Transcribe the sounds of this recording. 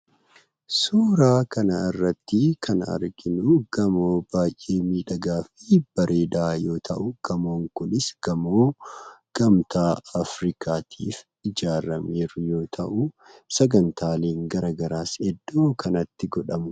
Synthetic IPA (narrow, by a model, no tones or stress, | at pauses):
suːɾaːkɐnɐɪrːɐt̪ːɪkʰɐnɐ̰ɾɡɪnʊɡ̥ɐmo̞ːbaːjʔeːmiːᶑɐɡaːfɪb̥ɐɾʔeːd̪aːjo̞ːt̪ʰɐ̰ʔʊɡ̥ɐmo̞ːŋkʊnɪsɡ̥ɐmoːɡ̥ɐmt̪aːɐfɾɪkʰaːt̪ʰiːf | ɪd͡ʒaːɾɐmeːɾʊjo̞ːt̪ʰɐʔʊ | sɐɡɐnt̪ʰaːle̞ːŋɡɐɾaːɡɐɾaːsɛd̪ːoːkɐnɐt̪ːɪɡɔᶑɐmʊ